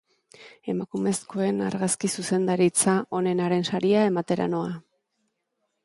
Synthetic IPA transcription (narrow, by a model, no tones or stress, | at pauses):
e̞makume̞sko̞e̞na̰ɾɣaskisuse̞nd̪aɾit͡saʔo̞ne̞naɾe̞nsaɾiae̞mat̪e̞ɾa̰no̞a